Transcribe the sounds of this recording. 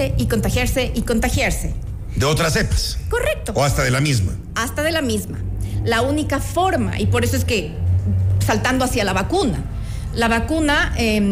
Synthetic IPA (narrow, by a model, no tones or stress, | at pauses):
e̞ʔiko̞nt̪axjaɾse̞ʔiko̞nt̪axjaɾse̞ | d̪eo̞t̪ɾase̞pḁsko̞re̞k̚t̪o̞oast̪aðe̞lamizma | ast̪að̞elamizma̰launikafo̞ɾma̰ʔipo̞ɾe̞s̬o̞e̞ske̞ | salt̪and̪oasjalaβakuna̰ | laβakunae